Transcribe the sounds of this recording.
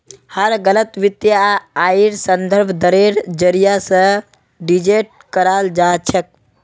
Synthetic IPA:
həɾɡələt̪ʋit̪jaaiɾsənd̪əɾbʱd̪əɾeɾd͡ʒəɾijasə̃ | ɖid͡ʒeʈ̚ | kəɾald͡ʒat͡ʃʰək̚

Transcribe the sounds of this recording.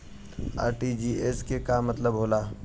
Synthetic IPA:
a̰ːɾʈid͡ʒiːeskekamːɐt̪ləbɦoːlaː

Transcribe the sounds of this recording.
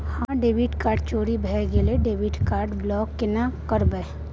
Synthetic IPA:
hãɖeːʋiʈkaːɾɖt͡ʃoːɾibʱɛːɡeleɖeːʋiʈkaːɾɖblɔːkːenakəɾbə

